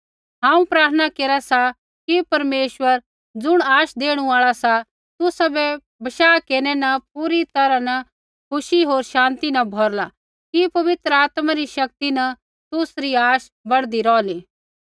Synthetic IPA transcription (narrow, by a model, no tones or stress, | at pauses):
ɦãːũpɾaːɾt̪ʰənakeːɾasa | kipɐɾmeːʃwəɾ | d͡zʊɽ̃aːʃd̪eːɽ̃ũaːɭasa | t̪ʊsabɛ | bɐʃaːkeːɾnɛnɐp̚uɾit̪ɐɾanɐ | kʰʊʃiɦoːɾʃãːnt̪inɐbʱɔɾla | kipɐʋɪt̪ɾəaːt̪maɾiʃɐk̚t̪inɐ | t̪ʊsɾiaːʃ | bɐɽd̪iɾɔːliː